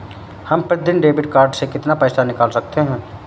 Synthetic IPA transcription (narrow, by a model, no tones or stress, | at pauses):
hɐmpɾət̪d̪ɪnɖeːbɪʈkaːɾɖsekɪt̪napəːsanɪkaːlsɐk̚t̪eɦɛ̃ː